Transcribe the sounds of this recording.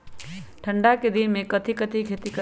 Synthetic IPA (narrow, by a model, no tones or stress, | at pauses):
ʈʰə̃ɳɖaked̪ɪnmẽkɐt̪ʰikət̪ʰikʰeːt̪ikə